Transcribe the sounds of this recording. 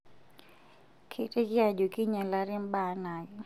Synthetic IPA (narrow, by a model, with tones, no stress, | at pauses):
kʰe˨te˦d͡ʒɪ˦a˦˨d͡ʒo˨ki˦ɲa˨la˦ɾɪ˦mba˦˨˦na˨ɡɔ˨